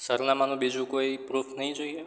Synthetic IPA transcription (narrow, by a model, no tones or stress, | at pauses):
səɾnamanũbid͡ʒũkoipɾufʰnəɦĩd͡ʒoie